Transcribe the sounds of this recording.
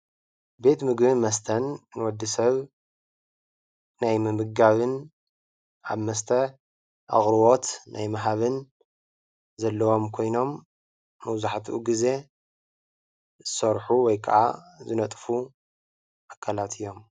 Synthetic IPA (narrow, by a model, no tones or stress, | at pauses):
be̞t̪mɨɡbɨnmɐst̪ʰɐnːɨwɔd̪ːɨsɐβ | najmɨmɨɡaβɨn | ʔa̰βmɐst̪ʰɐ | ʔa̰ɣʼɾɨwo̞t̪nʔajmɐɦaβɨn | zɐlːɐwo̞mkʰo̞jno̞mː | ɐwzaħat̪ʰʔṵɡize̞ | zɨsɐɾħuwɔjkʰɐʔa̰zɨnɐt̪ʼfu | ʔakʰːalat̪ʰɨjːo̞m